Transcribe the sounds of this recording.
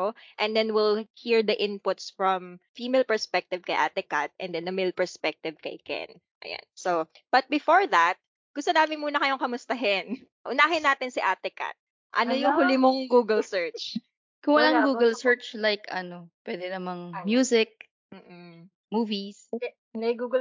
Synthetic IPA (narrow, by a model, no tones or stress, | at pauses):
oʔɛnd̪ɛnwɪlhiɹd̪ɐʔɪnpʊt̪sfɹɐmfiːmɛlpɛɹspɛk̚t̪ɪvkɐjʔa̰ːt̪ɛkat̪̚ʔɛ̃nd̪ɛndɐmɛlpɛɹspɛk̚t̪ɪvkɐjkɛ̰n | ʔɐ̰ja̰nso | b̥ɐt̪̚bɪfoɹðɐt̪̚ | ɡ̥ʊst̪onaːmɪnmuːnɐkɐjoŋkɐmʊst̪ɐɦɪn | ʔʊnaːɦɪnːaːt̪ɪnsɪʔaːt̪ɛka̰t̪̚ | ʔɐ̰nojʊŋhʊlɪmoŋɡuːɡɛlsɛɹt͡ʃ | kʊŋwɐlaŋɡuːɡɛlsɛɹt͡ʃlajkɐnopwɛd̪ɛnɐmɐŋmjuːsɪk̚ | m̩ːʔm̩ | muːvis | nɐjɡuːɡ